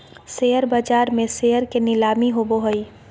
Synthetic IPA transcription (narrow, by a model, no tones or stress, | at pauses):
seːəɾbad͡ʒaːɾmẽseɦəɾkenɪlaːmiɦoboɦəi